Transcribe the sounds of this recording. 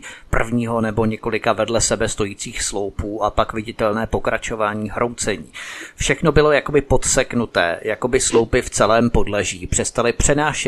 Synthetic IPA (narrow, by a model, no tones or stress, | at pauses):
pr̩vɲiːɦo̞nɛbo̞ɲɛko̞lɪkavɛdlɛsɛbɛst̪o̞jiːt͡siːxslo̞wpuːʔapakvɪɟɪt̪ɛlnɛːpo̞kɾat͡ʃo̞vaːɲiːɦɾʔo̞wt͡sɛɲiːfʃɛxno̞bɪlo̞jako̞bɪpo̞t̪sɛknut̪ɛ̰ːjako̞bɪslowpɪft͡sɛlɛːmpo̞dlɛʒiːpr̥ɛst̪alɪpr̝̥ɛnaːʃɛ